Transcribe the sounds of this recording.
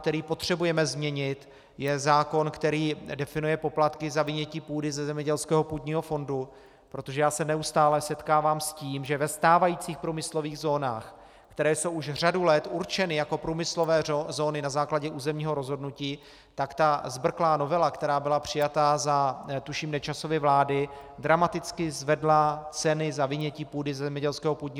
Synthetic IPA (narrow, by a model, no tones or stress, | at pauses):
k̚t̪ɛɾiːpo̞t̪r̝̥ɛbujɛmɛzmɲɛɲɪt̪ | jɛzaːko̞nkt̪ɛɾiːdɛfɪnujɛpo̞plat̪kɪzavɪɲɛciːpuːdɪzɛzɛmɲɛɟɛlskɛːɦo̞puːd̪ɲiːɦo̞fo̞ndu | pɾo̞t̪o̞ʒɛjaːsɛnɛust̪aːlɛsɛt̪kaːvaːmsciːmʒɛvɛst̪aːvajiːt͡siːxpɾuːmɪslo̞viːɣzo̞ːna̰ːx | kt̪ɛɾɛːsowuʃr̝adulɛt̪uɾt͡ʃɛnɪjako̞pɾuːmɪslo̞vɛːzo̞ːnɪnazaːklaɟɛʔuːzɛmɲiːɦo̞ɾo̞zɦo̞dnuciː | t̪akt̪azbr̩klaːno̞vɛlakt̪ɛɾaːbɪlapr̝̥ɪjat̪azat̪uʃimnɛt͡ʃaso̞vɪvlaːdɪd̪ɾamat̪ɪt͡skɪzvɛdlat͡sɛnɪzavɪɲɛciːpuːdɪzɛzɛmɲɛɟɛlskɛːɦopuːd̪ɲiː